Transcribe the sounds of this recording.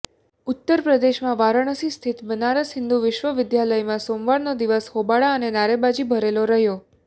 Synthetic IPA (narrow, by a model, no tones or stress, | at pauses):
ʊt̪ːəɾpɾəd̪eʃmãʋaɾəɳ̃əsist̪ʰit̪bənaɾəsɦɪnd̪uʋɪʃʋəʋɪd̪jaləjmãsomʋaɭnod̪iʋəshobaɭaənenaɾebad͡ʒibʱəɾeloɾəɦjo